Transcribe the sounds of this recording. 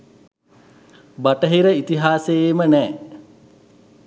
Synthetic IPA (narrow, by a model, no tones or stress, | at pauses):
baʈəɦiɾəit̪iɦaːseemənɛː